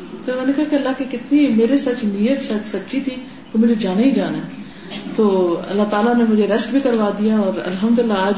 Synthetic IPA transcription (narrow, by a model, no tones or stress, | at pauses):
t̪omɛ̃ːnekɐɦakeɐlːaɦkikɪt̪nimeːɾesɐt͡ʃnijət̪ʃɐt͡ʃsɐtːʃʰit̪ʰi | komʊd͡ʒʱed͡ʒaːnaɦid͡ʒaːnɛ | t̪oːɐ̰lːat̪aːlanẽmʊd͡ʒʱeɾɐsʈbʱikɐɾʋaːd̪ijaɔːɾɐ̰lɦəmd̪ʊlɪlːaaːd͡ʒ